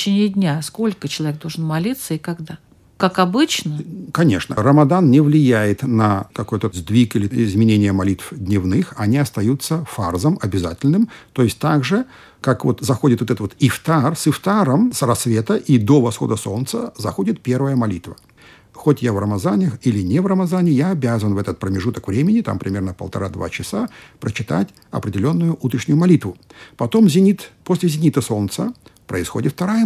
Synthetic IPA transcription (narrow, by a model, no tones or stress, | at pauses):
t͡ɕenʲɪɪdʲnʲasko̞lʲkət͡ɕɪlˠɐvʲek̚d̪olʐənmɐlʲit̪səɪkɐɡd̪a | kakɐbɨt͡ɕnəkɐnʲe̞̰ʂnə̰rəmɐd̪annʲɪvlʲɪjæjɪt̪nəkɐko̞jt̪əzd̪vʲikilʲɪɪzmʲɪnʲenʲɪjəmɐlʲit̪fd̪ʲnʲɪvnɨxɐnʲiɐst̪ɐjut̪sːəfarzəmɐbʲɪzatʲɪlʲnɨmt̪o̞ɪsʲtʲt̪aɡʐɨ | kakvo̞̰t̪zɐxodʲɪt̪vot̪ɛt̪vot̪ɪft̪arsɨft̪aɾəmsrɐsvʲe̞t̪əʔid̪o̞vɐsxo̞̰d̪əso̞lnt̪səzɐxodʲɪt̪̚pʲe̞rvəjəmɐlʲit̪və | xotʲjavrəmɐzanʲəxilʲɪnʲevrəmɐzanʲɪjaɐbʲazənvɛt̪ət̪̚pɾəmʲɪʐut̪əkvɾʲemʲɪnʲɪt̪a̰mpɾʲɪmʲe̞rnəpəlˠt̪ɐ̰ɾad̪va̰t͡ɕɪsapɾʔət͡ɕɪt̪a̰tʲ | ɐ̰pɾʲɪdʲɪlʲo̞nːʊjʊʔut̪ɾʲɪʂnʲʊjʊmɐlʲit̪vʊpɐt̪o̞mzʲɪnʲit̪posʲlʲɪzʲɪnʲit̪əso̞lnt̪səpɾəɪsxo̞dʲɪt̪ft̪ɐɾajə